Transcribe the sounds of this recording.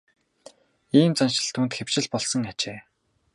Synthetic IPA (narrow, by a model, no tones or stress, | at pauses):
iːmt͡sanʃɪ̆ɬt̪ʰuːnt̪xew̥t͡ɕɪ̆ɮpɔɮsɞ̆ŋat͡ɕeː